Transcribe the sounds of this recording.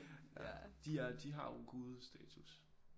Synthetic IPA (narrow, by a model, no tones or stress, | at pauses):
d̥iæɐd̥iɦɑ̈joɡ̥uːð̞̩ˠsd̥ɛːt͡sʰus